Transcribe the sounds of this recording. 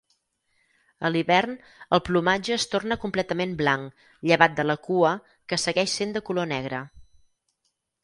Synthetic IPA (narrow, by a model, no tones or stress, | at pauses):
əliβɛrn | əlˠplumad͡ʒəːst̪ornəkumplɛt̪əmemblaŋ | ʎəβat̪̚d̪ələkuə | kəsəɣɛʃsend̪əkulonɛɣ̞ɾə